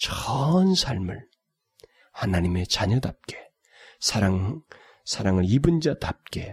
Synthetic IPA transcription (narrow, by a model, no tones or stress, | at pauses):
t͡ɕʌnsʰaɭmɯɭ | hanaɲime̞t͡ɕaɲʌdap̚k͈e̞ | sʰaɾaŋ | sʰaɾaŋɯɾibɯnd͡ʑatap̚k͈e̞